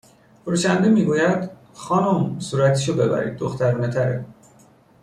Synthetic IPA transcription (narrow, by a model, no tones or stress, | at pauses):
foɾuːʃænd̪emiːɡuːjæd̪ | xɒːnomsuːɾæt̪ʰiʃobe̞bæ̰ɾḭːd̪̚ːoxt̪ʰæɾuːnet̪ʰæɾḛ